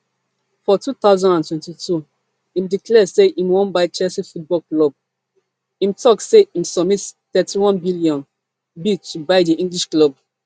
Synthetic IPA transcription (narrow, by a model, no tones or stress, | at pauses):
fɔtut̪aʊzãndãntwɛ̃ntitʰu | ĩmdiklɛseʔĩmwɔ̃nbaɪt͡ʃɛlsifut̚bɔlklɔb̚ | ĩmtɔkseĩmsɔmittɛtiwɔ̃nbiliɔ̃n | bitːubaɪdiʔĩŋɡliʃklɔb̚